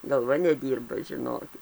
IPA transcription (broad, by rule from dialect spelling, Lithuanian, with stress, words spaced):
ɡɐlˠˈʋɐ nʲɛˈdʲiːrbɐ ʒʲɪˈnoːkʲɪt